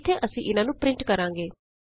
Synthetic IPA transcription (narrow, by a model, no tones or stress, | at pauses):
t̪ʰːeʔəsĩʔɪnãːnũːpɾɪ̃ɳʈkəɾãːŋɡeː